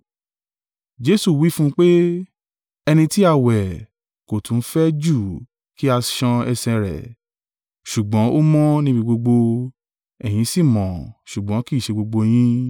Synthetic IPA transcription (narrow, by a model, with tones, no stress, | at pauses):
d͡ʒe˦su˦˨wi˦fũ˦k͡pe˦ | ɛ˧nĩ˧ti˦a˦˨wɛ˨ | ko˨tʰũ˨˦fɛ˦d͡ʒu˦˨ | ki˦a˧ʃã˧ɛ˧sɛ̃˧ɾɛ̰˨ | ʃu˨ɡ͡bɔ̃˨˦o˦mɔ̃˦nĩ˦bi˧ɡ͡bo˧ɡ͡bo˧ | ɛ˨j̃ĩ˨˦si˦˨mɔ̃˨ʃu˨ɡ͡bɔ̃˨˦ki˦˨ʃe˧ɡ͡bo˧ɡ͡bo˧j̃ĩ˦